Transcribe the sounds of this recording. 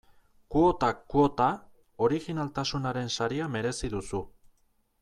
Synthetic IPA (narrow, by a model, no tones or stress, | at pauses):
kuot̪akuot̪a | o̞ɾiɣinalt̪asunaɾe̞nsaɾiame̞ɾe̞siðusu